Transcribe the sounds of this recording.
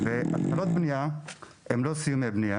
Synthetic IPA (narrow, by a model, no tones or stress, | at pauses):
vea̰t̪χalot̪̚bnia | emlosijumeabnia